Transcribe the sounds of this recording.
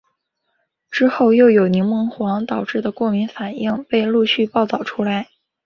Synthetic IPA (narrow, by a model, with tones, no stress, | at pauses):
ʈ͡ʂɻ̩˥xo˥˧ʊjo˥˩ʊjo˨˩ʊni˧˥ŋmɤ˧˥ŋxwɑ˧˥ŋt̪ɑ˨˩ʊʈ͡ʂɻ̩˥˩d̪ə˩kwɔ˥˩mi˧˥nfa˨˩nʔi˥˩ŋpe˥˧ɪlu˥˧ɕy˥˧pɑ˥˩ʊt̪ɑ˥˩ʊʈ͡ʂʰu˥la˧˥ɪ